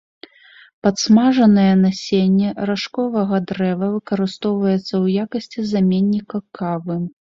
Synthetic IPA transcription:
pɐt̪smaʐɐnɐjɛnasʲenʲːɛɾaʂkɔvɐɣɐd̪ɾɛvɐvɨkɐɾɨst̪ɔwvɐjɛt̪sːɐwjakɐsʲt͡sʲizamʲenʲːikɐkʰavɨ

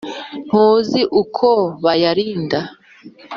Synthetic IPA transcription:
n̥huːziʔukʰoβajaɾiːnda

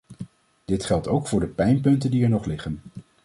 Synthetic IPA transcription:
d̥ɪtχɛlˠtowkfʊːɹdəpɛjnpɵntəndiɛɹnɔχlɪχən

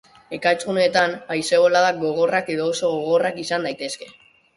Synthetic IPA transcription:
e̞kajt͡sune̞ːt̪anajse̞ɣo̞laðak̚ɡo̞ɣ̞o̞rake̞ðo̞ːso̞ɣoɣ̞o̞rakisand̪ajt̪e̞ske̞

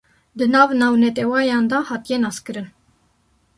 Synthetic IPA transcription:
d̪ənɑvnɑwnɛt̪ʼɛwɑjɑnd̪ɑhɑt̪ʼjɛnɑskəɾən

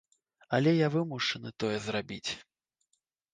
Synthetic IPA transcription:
ɐlʲɛjavɨmuʂɨnɨt̪ɔjɛzrabʲit͡sʲ

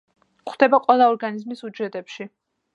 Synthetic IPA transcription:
χwd̪̥ɛbaqʼwɛlˠaɔɾɡanizmisud͡ʒɛt̪ʼɛpʃi

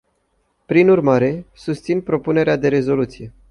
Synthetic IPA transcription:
pɾinurmaɾe̞sust̪sinpɾo̞pune̞ɾead̪e̞ɾe̞zo̞lut̪sije̞

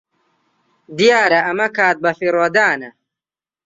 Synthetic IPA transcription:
d̪ijaːɾɐʔɐmɐkʰaːt̪̚bɐfiɾwɐd̪aːnɐ

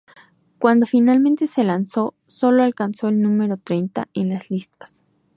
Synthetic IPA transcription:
kwand̪ofinalment̪eselanso | soloalkansoelnumeɾot̪ɾejnt̪a̰enlaslist̪ḁs

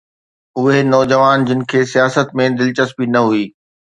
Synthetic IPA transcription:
ʊɦenɔːd͡ʑəʋaːnd͡ʑɪnɪ̆kʰeːsijaːsət̪mẽd̪ɪlt͡ɕəspinɐɦuiː

